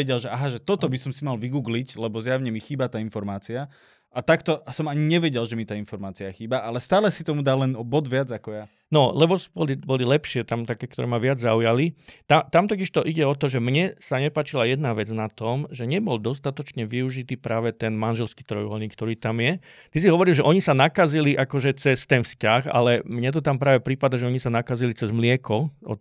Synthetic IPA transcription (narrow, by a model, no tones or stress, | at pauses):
ɛɟɛlʒɛʔaɦaʒɛt̪ɔt̪ɔbisɔmsimalʋiɡuːɡliclɛbɔzjaʊɲɛmixiːbat̪aːinfɔɾmaːt͡sia | at̪akt̪ɔsɔmaɲiɲɛʋɛɟɛlʒɛmit̪aːinfɔɾmaːt͡siaxiːbaʔalɛst̪aːlɛsit̪ɔmud̪alːɛnbɔd̪ʋɪad͡zakɔja | nɔlɛbɔsbɔlibɔlilɛpʃɪɛt̪amt̪akɛːkt̪ɔɾɛ̰ːmaʋɪad͡zzaujalit̪at̪amt̪ɔciʃt̪ɔʔiɟɛɔt̪ɔʒɛmɲɛsaɲɛpaːt͡ʃilajɛd̪naʋɛd͡znat̪ɔmʒɛɲɛbɔld̪ɔst̪at̪ɔt͡ʃɲɛʋiuʒit̪iːpɾaːʋɛt̪ɛnmanʒɛlskiːt̪ɾɔjʋɔlɲiːkt̪ɔɾiːt̪amjɛ | t̪isiɦɔʋɔɾilʒɛʔɔɲisanakaziliʔakɔʒɛt͡sɛst̪ɛnfscaxa̰lɛmɲɛt̪̬ɔt̪ampɾaːʋɛpɾipad̪aʒɛɔɲisanakazilit͡sɛzmlɪɛkɔɔ̰